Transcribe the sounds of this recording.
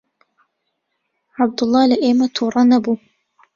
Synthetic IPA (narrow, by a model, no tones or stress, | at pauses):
ʕab̚d̪ʊlˤːɑːlaʔeːmɐt̪ʰuːɾˤɑnɐbuː